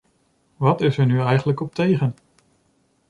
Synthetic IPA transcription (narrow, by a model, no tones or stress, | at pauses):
ʋɑtɪsəɹnyɛjχənləkɔp̚tejχən